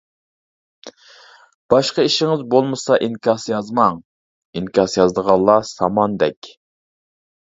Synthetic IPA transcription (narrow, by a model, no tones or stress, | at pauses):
b̥ɑʃqəiʃɪŋɪzbolˠmɨsɑʔinkʰʲɑsjɑzmɑŋ | inkʰʲɑsjɑzd̪əʁɑlˠːɑsɑmɑnd̪ɛkʲ